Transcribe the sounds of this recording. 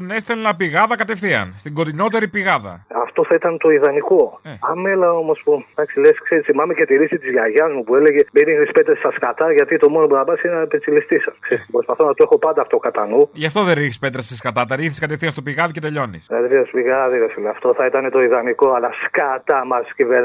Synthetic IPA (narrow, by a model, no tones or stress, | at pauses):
nest̪elnɐpiɣɐðɐkɐt̪efθiɐ̰nst̪iŋɡo̞t̪ino̞t̪e̞ɾipiɣɐðɐ̰ɐft̪o̞θɐit̪ɐnt̪o̞iðɐniko̞ɐme̞lɐo̞mo̞spud̪ɐksileskseɾisθimɐmece̞t̪iɾisit̪izʝɐʝɐzmupueleʝeminiɣnispet̪ɾɐsst̪ɐskɐt̪ɐʝɐt̪it̪o̞mo̞nopunɐpɐnsinnɐepet͡silist̪isɐkseɾiskepɾo̞spɐθonɐt̪oe̞xo̞pɐnd̪ɐːft̪o̞kɐt̪ɐnuʝɐft̪o̞ðeɾiçispe̞t̪ɾɐsɐskɐt̪ɐt̪ɐɾiɣθiskɐt̪efθiɐnst̪opiɣɐðice̞t̪e̞ʎo̞nḭskɐt̪efiɐspiɣɐðiɾɐsfileɐft̪o̞θɐit̪ɐnet̪o̞iðɐniko̞ɐlɐskɐt̪ɐmɐsciveðɐ